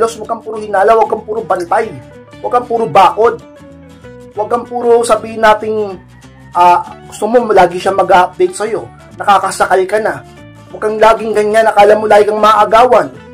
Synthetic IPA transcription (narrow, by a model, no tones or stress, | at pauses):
lo̞swɐɡ̚kːɐŋpuːɾohɪnaːlɐwɐɡ̚kːɐŋpuːɾobɐnt̪aj | wɐɡ̚kɐŋpuːɾobaːko̞d̪̚ | wɐɡ̚kɐŋpuːɾosɐbiːhɪnaːt̪ɪŋ | ʔaːɡʊst̪omo̞laːɡɪʃamɐɡaʔɐp̚d̪ɛjt̪̚sɐjo̞ | nɐkaːkɐsɐkalkɐnɐ | wɐɡ̚kɐŋlaːɡɪŋɡɐɲːanɐkɐʔɐlamːolaːɡɪɡɐŋmɐaʔɐɡaːwɐn